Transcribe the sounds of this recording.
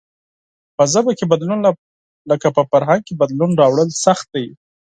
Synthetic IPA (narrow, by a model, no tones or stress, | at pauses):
pəzabakebad̪lun | ləkapəfaɾɦaŋɡ̚kebad̪lunɾɑwɽəlsaxt̪̚d̪aj